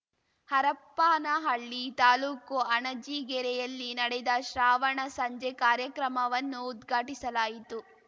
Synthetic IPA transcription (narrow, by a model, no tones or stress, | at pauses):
hɐɾɐpːaːnɐɦɐɭːit̪aːluːkuɐɳɐd͡ʒiːɡɛɾɛjɐlːinɐɽɛd̪ɐʃɾaːʋɐɳɐsɐɲd͡ʒɛkaːɾjɐkɾɐmɐʋɐnːuːd̪ɡʱaːʈisɐlaːjit̪u